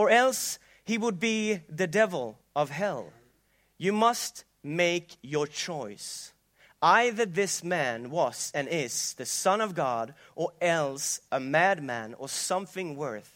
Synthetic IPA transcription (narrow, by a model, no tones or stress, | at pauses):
ə˞ɛlˠs | hiwəd̚biðɨdɛvl̩ˠ | ʌv̥ɦɛlˠ | jɨmʌst | meɪkjə˞t͡ʃʰɔɪs | aɪðə˞ðɪsmæ̃nwʌz̥ɨ̃nɪz̥ðɨsʌ̃nʌvɡɑɾ | ʔə˞ɛlˠsʔəmæd̚mæ̰̃nə˞sʌ̃mθɪ̃ŋwɜ˞θ